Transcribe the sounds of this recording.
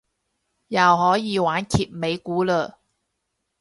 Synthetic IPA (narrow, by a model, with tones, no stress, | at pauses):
jɐ˨wɦɔː˨˥jiː˨˧waː˨˥nkʰiː˨t̚me˨˧jkuː˨˥ləː˧